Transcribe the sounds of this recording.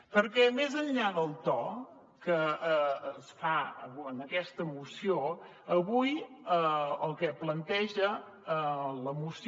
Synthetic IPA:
pəɾkɛmezəɲʎaðəlˠt̪ɔ | kəəsfaə̰ənəkɛst̪əmusio | əβujəəlˠkɛplənt̪ɛʒə | ələmus

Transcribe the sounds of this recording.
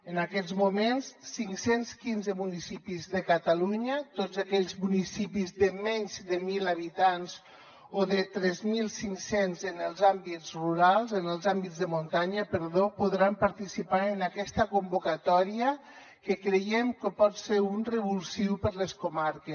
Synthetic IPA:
ənakɛzmumensːiŋksenskinzəmunisipizðəkət̪aluɲət̪ozakɛʎzmunisipizðəmɛɲzd̪əmilaβit̪anz | oðət̪ɾɛzmilˠsiŋsenzənəlˠzambizruɾalˠzənəlˠzambizðəmunt̪aɲəpəɾðopuðɾampəɾt̪isipaɾənakɛst̪əkumbukat̪ɔɾiə | kəkɾəjɛmkəpɔt̪seɾunrəβulsiwpəɾləskumaɾkə

